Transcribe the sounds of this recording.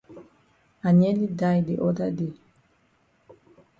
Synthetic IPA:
a˨ɲe˦li˦da˦˨jde˨ʔɔ˦da˦de˨

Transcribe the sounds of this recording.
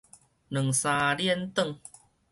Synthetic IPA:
nɨ˨˩ŋsaː˧ɾi˥˧ə˨nt̪ə˥˨ŋ

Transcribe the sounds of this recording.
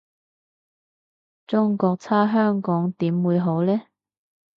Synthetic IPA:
t͡sʊ˥ŋkɔː˧k̚t͡sʰaː˥ɦœː˥ŋkɔː˨˥ŋt̪iː˨˥mwuː˨˧jɦo˨˥wlɛː˥

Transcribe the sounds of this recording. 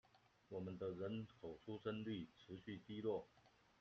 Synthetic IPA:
wɔ˨˩mə˦nd̪ə˧ɻə˧˦˥nkʰo˨˩ʊʈ͡ʂʰu˥ʈ͡ʂə˥nly˥˩ʈ͡ʂʰɻ̩˧˥ɕy˥˩t̪i˥lwɔ˥˩

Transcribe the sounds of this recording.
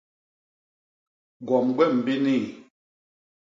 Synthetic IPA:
ɡɔ˨mɡwɛ˦˨m̩˨bi˦ni˦˨

